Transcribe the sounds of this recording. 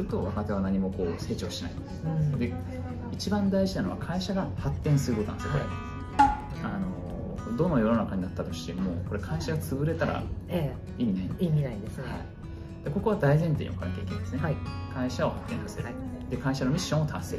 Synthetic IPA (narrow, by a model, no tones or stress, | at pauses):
ɨɾɯ̟t̪o̞β̞akat̪e̞β̞anaɲ̟imo̞ko̞ːse̞ːt͡ɕokɯ̟ɕt̪iena̰ḭnod̪sd̪e̞ | it͡ɕibãnd̪aiʑinano̞βa̰kʰaiɕaɡahat̪ːẽ̞ɰ̃sɨɾɯ̟kot̪ona̰eskoɾḛ | ano̞ | d̪o̞nojo̞no̞nakaɲinat̪ːat̪o̞ɕi̥t̪e̞mo̰ːko̞ɾe̞kʰaiɕaɡat͡sɨbɯ̟ɾe̞t̪aɾa̰e | iːnẽiːmʲinaid̪esɨha̰ | d̪̥eko̞ko̞βad̪aizẽ̞nt̪ḛḭ̃okʰã̰ŋke̞ːkʲẽnd̪sɨnekʰaiɕao̞hat̪ːẽ̞sasḛɾd̪e̞kaiɕano̞mʲiɕːõɰ̃ot̪ʰãseɾ